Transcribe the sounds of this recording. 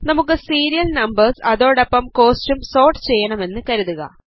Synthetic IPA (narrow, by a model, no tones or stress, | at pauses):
nɐmukːɨsiːɾijɐlnɐmbɐrsɐðo̞ːɽɐpːɐmko̞ːstumso̞ːrʈɨ̥t͡ɕe̞jːɐɳɐme̞nːɨkɐɾuðuɣɐ̰